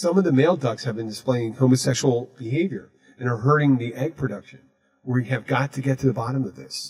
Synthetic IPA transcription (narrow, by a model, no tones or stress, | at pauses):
sʌ̃mʌvðɨmeɪlˠdʌɡshɨvbɨ̃ndɨspleɪɪ̃ŋhõʊmɨsɛkʃl̩ˠb̥ɨɦeɪvjə̰˞ | ɨ̃nə˞ɦɜ˞ɾɪ̃ŋðiʔɛɡ̚pʰɹ̥ɨdʌkʃɨ̃n | wə˞iɨvɡɑtʰɨɡɛtʰɨðɨbɑɾə̃mʌvðɪ̰s